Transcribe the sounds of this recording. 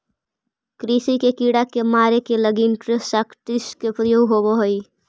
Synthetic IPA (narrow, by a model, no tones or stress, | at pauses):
kɾisikekiɽakemaːɾekeləɡinʈɾesakʈɪskepɾəjoːɡɦoboɦoi